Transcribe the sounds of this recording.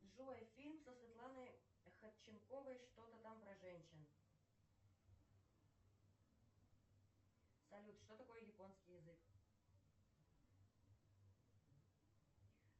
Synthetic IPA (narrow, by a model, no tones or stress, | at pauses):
ʐojfʲilʲmsəsvʲɪt̪lˠanəj | xət̪t͡ɕːɪnko̞vəjʂt̪o̞t̪ət̪ampɾɐʐɛnʲɕɪn | sɐlʲut̪ʂt̪o̞t̪ɐko̞jəjɪpo̞nskʲɪjɪzɨk